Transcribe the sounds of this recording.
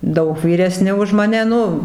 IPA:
ˈdɐʊk ʋʲiːrʲɛˈsʲnʲɪ ʊʃ mɐˈnʲɛ ˈnʊ

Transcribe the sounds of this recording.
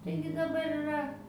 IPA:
ˈtɐɪɡʲɪ dɐˈbɐr ɪˈrɐ

